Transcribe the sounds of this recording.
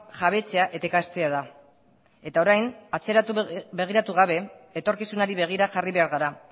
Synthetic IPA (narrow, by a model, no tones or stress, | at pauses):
ʝaβ̞e̞t͡se̞aʔe̞t̪ekast̪e̞að̞a | e̞t̪ao̞ɾajnat͡se̞ɾat̪ube̞ɣ̞iɾat̪uɣ̞aβ̞e̞ːt̪o̞ɾkisunaɾiβ̞e̞ɣ̞iɾaʝariβe̞aɾɣaɾa